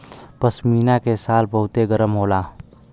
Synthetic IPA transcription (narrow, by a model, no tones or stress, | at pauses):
pəsmiːnakesaːlbəɦʊt̪eɡəɾəmɦoːla